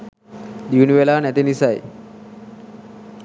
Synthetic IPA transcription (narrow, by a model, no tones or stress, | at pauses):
d̪iuniʋelaːnæt̪inisaj